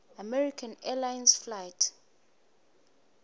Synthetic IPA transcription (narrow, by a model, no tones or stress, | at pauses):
amɛɹikʰãnɛlajnsflajt